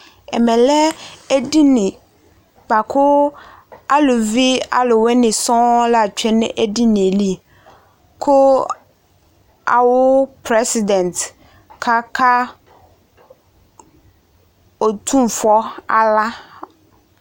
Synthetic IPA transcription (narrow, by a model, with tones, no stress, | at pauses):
ɛ̰˨mɛ̃˨lɛ˦e˦di˦nɪ̃˨ | ɡ͡ba˨kʰʊ˦ | a˦lʊ˨vi˦a̰˨lʊ˨we˦nɪ̃˨sɔ̃˦la˨t͡ʃᶣɛ˦nɪ̰̃˦ʔe˦di˦nẽ˨li˦ | kʰʊ˦ | a̰˨wʊ˦pɾe˦si˨dɛ˨nt̪ | kʰa˦kʰa˦ | o˨t̪ʰu˦m˨fɔ˦a̰˨la˦